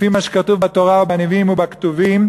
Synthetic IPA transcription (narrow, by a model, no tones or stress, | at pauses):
fimaʃe̥kat̪uvbat̪oʁaubaneviimubakt̪uvim